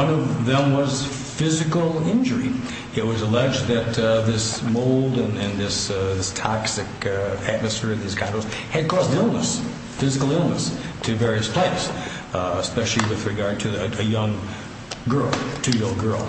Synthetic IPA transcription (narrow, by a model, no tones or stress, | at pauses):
ʌ̃nʌvðɨ̃mwʌz̥ | fɪzɨkl̩ˠɪ̃nd͡ʒə˞i | ɨt̚wʌzəlɛd͡ʒðɨt̪̚ðɪsmoʊlˠdɨ̃nɨ̃nðɪsðɪstʰɑksɨkæt̚mɨsfɪɹʌvðiz̥kʰãɪnɔz | hɨd̚kʰɔzdɪlˠnəs | fɪzɨkl̩ˠɪlˠnəstʰɨvɛɹiɨspʰl̥eɪs | əspɛʃl̩ˠiwɨðɹɨɡɑɹd̚tʰɨɨjʌ̃ŋ | ɡɜ˞lˠtʰɨjʌ̃ŋɡɜ˞lˠ